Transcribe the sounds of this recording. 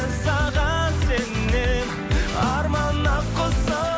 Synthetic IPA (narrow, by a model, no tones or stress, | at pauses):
sɑʁɑsenːe | ɑɾmɑnːɑqʰːosɑ